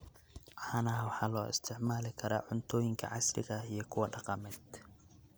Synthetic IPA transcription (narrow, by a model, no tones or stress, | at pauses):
ʕɑːnɐɦwɑħɑːlɔːʔɪ̰st̪ʰɪʕmaːlɪkʰɐɾa̰ːʕʊnt̪ʰɔːjɪŋkʰɐ̰ʕɑslɪ̰ɣɐijɞkʰʊwɐɖɑqɑmɛːd̪